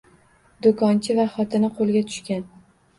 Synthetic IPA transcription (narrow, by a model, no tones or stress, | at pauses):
d̪okʰɒnt͡ʃʰɪvaχɒt̪ʰɪnɪqʰolˠɡʲat̪ʰʊ̥ʃkʲan